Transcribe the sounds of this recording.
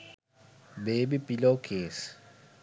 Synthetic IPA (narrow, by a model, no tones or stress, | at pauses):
beɓib̥ʱiloɡ̥ʰʱeːsi̥